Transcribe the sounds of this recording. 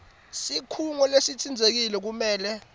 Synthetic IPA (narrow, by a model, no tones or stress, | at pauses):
sikʰuŋɔlesitʰind͡zʱek̬ilɛk̬umɛːlɛ